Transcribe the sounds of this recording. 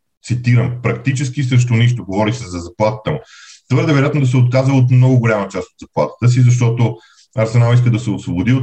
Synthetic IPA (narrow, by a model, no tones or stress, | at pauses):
t̪sit̪iɾəmpɾɐk̚t̪it͡ʃɛsk̟isɾɛʃ̬t̪oniʃt̪oɡovɔɾixsɛzɐzɐplˠat̪ə̥t̪əmʊt̪vɤɾd̪ɛvɛɾojat̪nod̪ɐs̬ɛot̪̚kazəot̪mnɔɡʊɡʊlʲamət͡ʃast̪od̪zɐplˠa̰t̪ə̥t̪əs̬izɐʃ̬t̪ɔt̪o | ɐɾsɛnalˠiskəd̪ɐsɛosvobʊd̪i